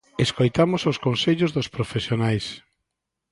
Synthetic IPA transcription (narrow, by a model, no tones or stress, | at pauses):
eskojt̪amososkonseʎʊzðʊspɾofesjonajs